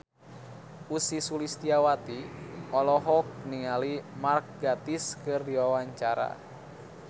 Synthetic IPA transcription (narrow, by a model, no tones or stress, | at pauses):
usisulist̪iawat̪iʔɔlɔɦɔk̚niŋalimark̚ɡat̪iskɨrdiwawaɲt͡ʃaɾa̰